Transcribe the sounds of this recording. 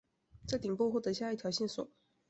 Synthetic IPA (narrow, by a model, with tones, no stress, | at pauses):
ʈ͡ʂɤ˥˩t̪i˨˩ŋpwɔ˥˧xwɔ˥˩t̪ɤ˧˥ɕja˥˧i˥˩jɑ˧˥ʊɕɛ˥˩nswɔ̰˨˩˦